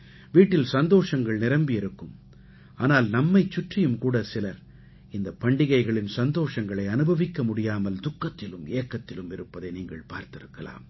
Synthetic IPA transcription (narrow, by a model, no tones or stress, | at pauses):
ʋiːʈːɪlsɐnd̪oːʂɐŋɡɐɭnɪɾɐmbɪjɪɾɯkːɯm | aːnaːlnɐmːɐɪt͡ʃːʊʈrɪjɯmkuːɽɐsɪlɐɾ | ɪnd̪ɐpɐɳɖɪɣɐɪɣɐɭɪnsɐnd̪oːʂɐŋɡɐɭɐɪɐnɯbʱɐʋɪkːɐmʊɽɪjaːmɐld̪ʊkːɐt̪ːɪlɯmeːkːɐt̪ːɪlɯmɪɾɯpːɐðɐɪniːŋɡɐɭpa̰ːɾt̪ɪɾɯkːɐla̰ːm